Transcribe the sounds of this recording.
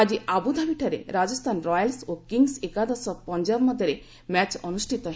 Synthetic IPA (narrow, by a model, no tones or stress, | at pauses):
ad͡ʒiabud̪ʱabiʈʰaɾḛɾad͡ʒɔst̪ʰanɾɔjalsokiŋɡsekad̪ɔsɔpɔɲd͡ʒabmɔd̪ʱjəɾe | mɛt͡ʃɔnusʈʰit̪ɔɦ